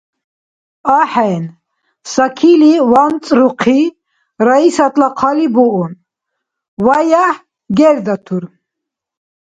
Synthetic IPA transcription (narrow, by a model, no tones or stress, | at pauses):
aħɛjn | sakʰiliwant͡sʼɾuqʰi | ɾaisat̪ʼlaqʰalibuun | wajaħ | ɡɛɾd̪at̪ʰuɾ